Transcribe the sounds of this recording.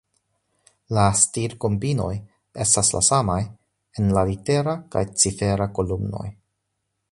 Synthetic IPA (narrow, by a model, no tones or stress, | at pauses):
lastiɾko̞mbino̞j | e̞stasla̰samaj | enlalite̞ɾaka̰jt͡sife̞ɾako̞lumno̞̰j